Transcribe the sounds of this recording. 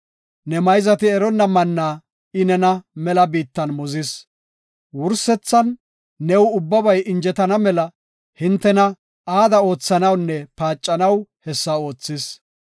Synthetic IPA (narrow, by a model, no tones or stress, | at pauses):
nɛmɐjzɐt̪ɪɛɾɔnːɐmɐnːaː | ɪnɛnɐmɛlɐbiːt̪ːɐnmɔzɪs | wʊɾsɛt͡sːɐnː | ɛwʊbːɐbɐjʔɪnd͡ʒɛt̪ɐnɐmɛlɐ | hɪnt̪ːɛnɐ | aːd̪ɐo̞ːt͡sːɐnɐwnːɛpaːt͡ʃʼːɐnɐwhɛsːɐo̞ːt͡sːɪs